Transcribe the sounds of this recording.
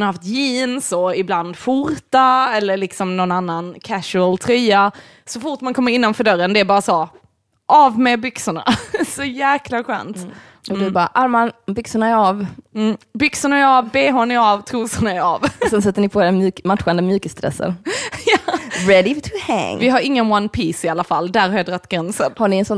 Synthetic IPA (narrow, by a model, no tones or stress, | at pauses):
naɾhaft̪jiːnsɔɪbland̪fʊɾt̪aɛlːəɭɪksɔmnɔnanːankʰæʂʉəlt̪ʰɾœːa | sɔfʊʈmankʰɔmːəɾɪnːanfœɖœɾːənd̪ɛæɾbɑːɾasɔ | ʔɑvmɛbʏksʊɳa̰sɔjæːklaɧœ̰ːnt̪ | ʔɔd̪ɵbɑːɾaʔaɾmanbʏksʊɳaɛɾavm̩ːbʏksʊɳaɛɾɑvbeːɦɔnɪɑvt̪ʰɾuːsʊɳaɛɾɑːvsɛns̬ɛt̪ːəɳɪpʰɔd̪ɛmjʉːkmat̪ɧand̪əmjʉːkəst̪ɾɛ̰sːə̰njɑːɾɛd̪ɪt̪ʰʉhæ̰ŋvɪɦaɾɪŋːənwanpʰiːsɪalːafald̪æɾhaɾjɑd̪ɾat̪ːɡɾɛnsə̰nhaɳɪɛnsɔ